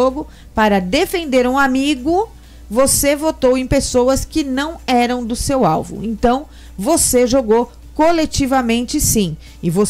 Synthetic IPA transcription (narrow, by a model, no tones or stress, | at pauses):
oɡʊ | paɾɐd̪efẽnd̪eɾũamiɡʊ | vosevot̪owẽpesoɐskɪnɐ̃w̃ɛɾɐ̃w̃d̪ʊsewawvṵ̃ẽnt̪ɐ̃w̃ | voseʒoɡow | kolet͡ʃivɐmẽnt͡ʃɪsĩ | ɪvo